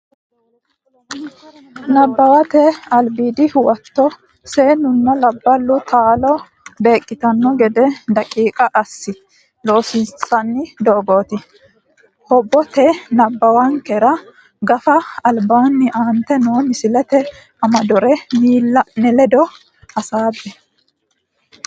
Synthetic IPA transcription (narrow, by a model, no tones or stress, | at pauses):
nɐbːɐwɐt̪ɛɐlbiːd̪ɪwɐt̪ːɔ | seːnʊnːɐlɐbːɐlːʊt̪aːlɔ | be̞ːkʼːɪt̪ɐnːɔɡɛd̪ɛd̪ɐkʼiːkʼɐʔɐsːɪ | lo̞ːsɪnsɐnːɪd̪oːɡoːt̪ɪ | hɔbːɔt̪ɛnɐbːɐwɐŋkɛɾɐ | ɡɐfɐɐlbaːnːɪʔaːnt̪ɛnoːmɪsɪlɛt̪ɛ | ɐmɐd̪ɔɾɛniːlːɐnɛlɛd̪ɔ | hɐsaːbːɛ